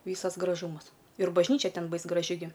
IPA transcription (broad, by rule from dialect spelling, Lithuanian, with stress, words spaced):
ˈʋʲiːsɐs ɡrɐˈʒuːmɐs ɪr bɐʒʲˈnʲiːt͡ʃʲɛ ˈtʲɛn ˈbɐɪs ɡrɐˈʒʲɪ ɡʲɪ